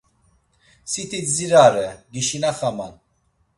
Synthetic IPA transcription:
sit̪ʰit͡sziɾaɾɛɡiʃinaχaman

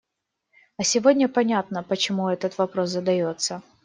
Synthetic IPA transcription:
ɐsʲɪvodʲnʲəpɐnʲat̪nəpət͡ɕɪmuɛt̪ət̪vɐpɾo̞s̬zəd̪ɐjo̞t̪sə

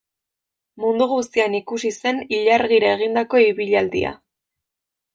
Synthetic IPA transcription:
mund̪uɣust̪ianikusise̞niʎaɾɣiɾae̞ɣ̞ind̪ako̞iβiʎald̪ḭa̰

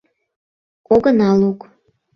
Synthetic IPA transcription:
kʼoɡənɑluk

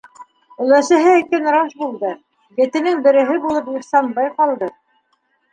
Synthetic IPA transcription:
ɵ̆læsɘ̆ɦɘikænɾɑʃbulˠd̪ɤ | jɘ̆t̪ɘ̆nɘŋbɘ̆ɾɘ̆ɦɘbulˠɤpjɤ̆χsɑnbɑjqɑlˠd̪ɤ

